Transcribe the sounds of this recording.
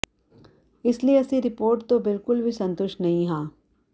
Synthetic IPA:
ɪslieɐsiɾɪpoːɾʈt̪obɪlkʊlbʱisɐ̃nt̪ʊʃʈnɐɦĩɦaː

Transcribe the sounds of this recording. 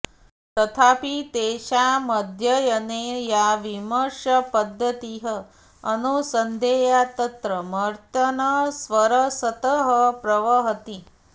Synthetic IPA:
t̪ɐt̪ʰaːpit̪eːʃaməd̪ʱjɐjɐnejaʋiməɾʂɐpɐd̪ʱːɐt̪iɦəː | nusɐnd̪ʱeːjat̪ɐt̪ɾɐmɐɾt̪ɐnɐsʋɐɾɐsɐt̪əɦəpɾɐʋɐɦɐt̪i

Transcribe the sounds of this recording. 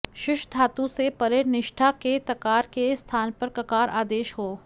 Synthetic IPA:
ʃʊʃd̪ʰʱaːt̪ũsepɐɾenɪʃʈʰaket̪ɐkaːɾkest̪ʰaːnpɐɾkɐkaːɾaːd̪eːʃɦoː

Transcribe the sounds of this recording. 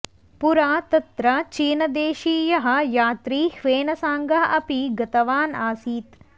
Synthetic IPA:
puɾaːt̪ɐt̪ɾɐt͡ʃiːnɐd̪eːʃiːjɐɦɐ̆jaːt̪ɾiːhʋeːnɐsaːŋɡɐɦɐʔɐpiɡɐt̪ɐʋaːnaːsiːt̪

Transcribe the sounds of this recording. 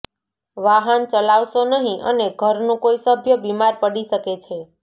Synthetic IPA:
ʋaɦənt͡ʃəlaʋʃonəɦĩʔə̰neɡʱəɾnũkoisəbʱjəbimaɾpəɽiʃəket͡ʃʰe

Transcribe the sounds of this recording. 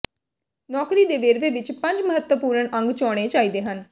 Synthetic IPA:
nɔːkɾiːd̪eːʋeːɾʋeːʋɪt͡ʃpə̃ɲd͡ʒməɦət̪wəpuːɾəɳʔə̃ŋɡt͡ʃɔːɽ̃eːt͡ʃaːiːd̪eːɦən

